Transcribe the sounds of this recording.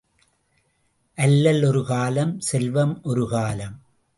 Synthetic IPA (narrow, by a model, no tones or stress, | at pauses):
ʔɐlːɐlɔɾɯkaːlɐmsɛlʋɐmʔɔɾɯɣaːlɐm